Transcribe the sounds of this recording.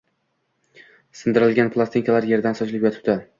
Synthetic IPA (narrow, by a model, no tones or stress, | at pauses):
sɪnd̪ɪɾɪlɡʲanpʰlˠast̪iŋkalaɾje̞ɾd̪ansɒt͡ʃlɪpjɒt̪ʰɪ̥p̚d̪ɪ